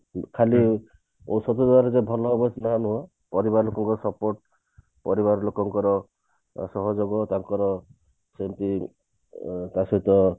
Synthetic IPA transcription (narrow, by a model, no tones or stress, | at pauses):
kʰali | osɔt̪ud̪aɾezebʱɔlɔːbɔt͡ʃnaɦanuɦa | pɔɾibaɾɔlokɔŋkɔɾɔsɔpoɾʈ̚ | pɔɾiβaɾɔlokɔŋkɔɾɔ | sɔɦɔd͡ʒoɡɔt̪aŋkɔɾɔ | sent̪i | t̪asɔɦit̪ɔ